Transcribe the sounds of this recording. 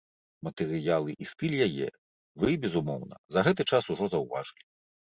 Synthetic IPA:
mɐt̪ɛɾɨjalˠɨʔist̪ɨlʲjajɛ̰ | vɨbʲɛzumɔwnɐ̰zɐɣɛt̪ɨt͡ʂasuʐɔzɐwvaʐɨlʲi

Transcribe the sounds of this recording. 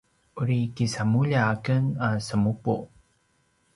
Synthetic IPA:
uɾikisamuʎaːkənasəmupṵ

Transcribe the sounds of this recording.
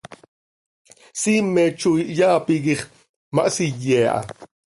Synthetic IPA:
simet͡ʃujʔjaːpiɡiχ | maʔsijeːʔa̰

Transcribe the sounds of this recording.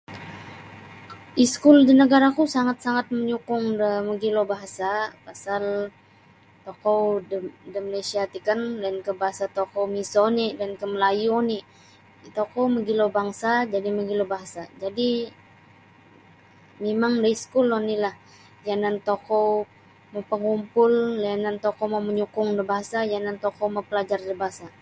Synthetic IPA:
ʔiskʊldinəɡaɾakusaŋat̪̚saŋat̪̚məɲukʊŋdəməɡilobaɦasapasal | t̪okɔwdəmnesiat̪ikəndankəbaɦasat̪okowmisonidankəməlajuni | t̪okowməɡilobaŋsad͡ʒadiməɡilobaɦasad͡ʒadi | memaŋdaiskulɔnilah | janant̪okɔw | mowpəŋumpʊllanant̪ɔkowmawməɲukʊŋdəbaɦasajanant̪ɔkowmapəlad͡ʒardəbaɦasa

